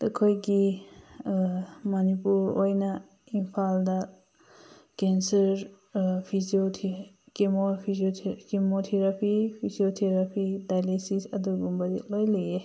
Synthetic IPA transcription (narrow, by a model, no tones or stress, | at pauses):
dɐkʰojɡi | mɐnipuɾojnɐ | impʰaldɐ | kensɐɾ | pʰiziotʰ | kemopʰizʰkimotʰeɾapʰipʰiziotʰeɾapʰidajlesisɐduɡumbɐzit̚lojleje